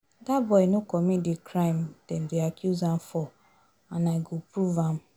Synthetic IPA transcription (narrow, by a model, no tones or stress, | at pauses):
dabɔinukɔmidikɾajimten̩diakjuzan̩fɔ | anaiɡupɾuvam̩